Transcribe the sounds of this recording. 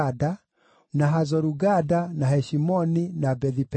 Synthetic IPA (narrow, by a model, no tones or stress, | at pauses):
da | naɦazɔɾuɡadanahɛʃimɔninabɛðip